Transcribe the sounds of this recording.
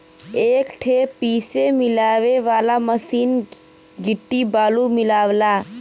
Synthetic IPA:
eːkʈʰeːpiːsemɪlaːʋeʋaːlaməsiːn | ɡɪʈːibaːlumɪlaːʋlaː

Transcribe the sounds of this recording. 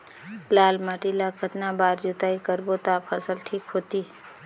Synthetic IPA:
laːlmaːʈilakʰət̪nabaːɾd͡ʒut̪aːikəɾbot̪aːpʰəsəlʈʰiːkɦoːt̪iː

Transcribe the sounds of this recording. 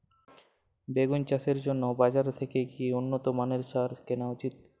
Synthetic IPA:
beɡunt͡ɕaʃeɾd͡ʑonːobad͡ʑaɾt̪ʰekekiunːot̪omaneɾʃaɾkenaut͡ɕit̪̚

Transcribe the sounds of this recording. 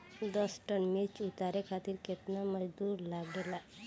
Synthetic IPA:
d̪ɔsʈənmet͡ʃut̪aɾekʰat̪iɾket̪naməd͡ʒd̪uːɾlaɡlela

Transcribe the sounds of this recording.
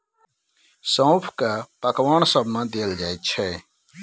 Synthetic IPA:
sə̃wpʰkapəkʋaːɳsəbʱmãd̪eːld͡ʒaːet̪̚t͡ʃʰɛ

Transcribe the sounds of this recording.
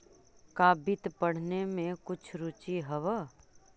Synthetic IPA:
kaːbit̪pəɽ̤nemẽkʊt͡ʃʰɾʊt͡ʃiɦəʋə

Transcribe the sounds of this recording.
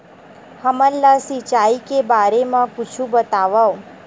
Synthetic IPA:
həməlːasit͡ʃaikebaɾemãkʊt͡ʃʰũbət̪aʋao

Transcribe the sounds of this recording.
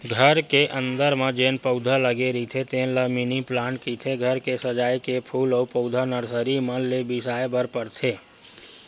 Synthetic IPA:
ɡʱəɾkeʔə̃nd̪əɾmãd͡ʒeːnpəʊd̪ʱaləɡeɾit̪ʰet̪eːnlaminiplaːnkit̪ʰeɡʱəɾkesəd͡ʒaːjkepʰuːlopəʊd̪ʱanəɾsəɾimə̃lebɪsaːjbəɾpəɾt̪ʰeː

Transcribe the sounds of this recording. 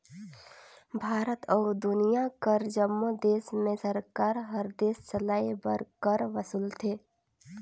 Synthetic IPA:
bʱaːɾət̪ɔːd̪ʊnijakəɾd͡ʒəmːod̪eːsmẽsəɾkaːɾɦəɾd̪eːssəlaːibə̰ɾkəɾʋəsuːlt̪ʰeː

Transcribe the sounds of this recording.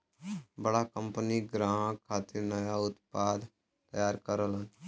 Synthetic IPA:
bəɽakəmpəniɡɾãːkʰaːt̪ɪɾnəjaːʊt̪paːd̪ | t̪əjaːɾkəɾəlɦən

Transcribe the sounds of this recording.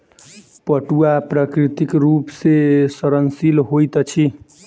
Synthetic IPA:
pəʈuapɾəkɾit̪ikɾupsesəɾənsilɦojt̪ʌt͡ʃʰi

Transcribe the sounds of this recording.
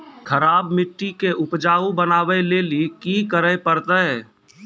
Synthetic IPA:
kʰəɾaːbmɪʈːikeʔʊpd͡ʒaːubənaːʋəleːlikikəɾəepəɾt̪əɛ

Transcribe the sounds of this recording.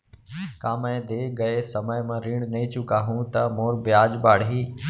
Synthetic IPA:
kãːməẽd̪eːɡəesəməjmãːɾiːɽnəĩːt͡ʃʊkaːɦũːt̪ɐmoːɾbɪjaːd͡ʒbaːɽɦiː

